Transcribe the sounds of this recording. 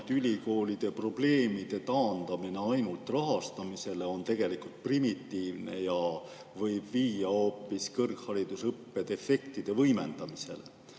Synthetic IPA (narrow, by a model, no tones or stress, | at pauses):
t̪ylʲiko̞ːlid̪̥e̞pro̞b̥le̞ːmid̪̥e̞t̪ɑːnd̪̥ɑmine̞ɑjnult̪rɑɦɑst̪ɑmise̞le̞o̞nt̪e̞ɡ̥e̞likult̪̚primit̪ːiːvne̞̰jɑ | vɤjb̥viːjɑo̞ːpːˑiskɤrkhɑɾid̪̥usɤpːe̞d̪e̞fe̞kt̪id̪̥e̞vɤjme̞nd̪̥ɑmise̞̰le